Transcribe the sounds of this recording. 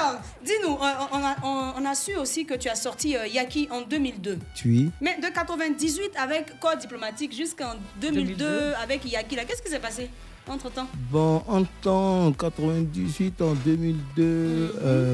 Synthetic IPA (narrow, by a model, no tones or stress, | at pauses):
aɔ | d̪inũʔɔ̃aɔ̃nasyosikət̪yasɔʁt̪iøjakʲiʔɑ̃d̪ømild̪øt̪yimɛd̪əkat̪χəvɛ̃d̪izɥit̪avɛkːɔʁd̪iplomat̪ikʒyskɑ̃d̪ømild̪øavɛkjakilakɛskis̬ɛpase | ɑ̃t̪χət̪ɑ̃bɔ̃ʔɑ̃t̪ɑ̃kat̪χəvɛ̃d̪izɥit̪ɑ̃d̪ømild̪ø